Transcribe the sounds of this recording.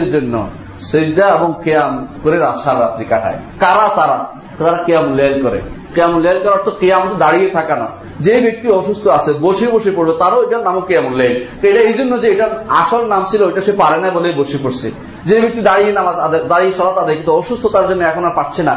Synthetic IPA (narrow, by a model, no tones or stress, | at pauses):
ɾd͡ʒonːo̰ | seʃd̪aebɔŋkejamkoɾeɾaʃaɾɾat̪ɾikaʈʰa̰ekaɾat̪aɾa̰ | t̪aɾakijamlelkɔɾḛkijamulalkɔɾaɾt̪okijamt̪̬od̪aɽijet̪ʰakana̰ | d͡ʑebek̚t̪iɔʃust̪ʰoaseboʃiboʃipoɽbet̪aɾoejʈaɾnamokijamolalt̪ejʈaejd͡ʒonːod͡ʑeejʈaa̰ʃɔlnamt͡ʃʰiloejʈaʃepaɾenajbolejboʃipoɾsʰḛ | d͡ʑejbek̚t̪id̪aɽijenamazad̪ad̪aɽiesɔɾat̪ad̪ajkint̪oɔʃust̪ʰot̪aɾd͡ʒonːoɛkʰonapaʈ̚t͡ɕʰena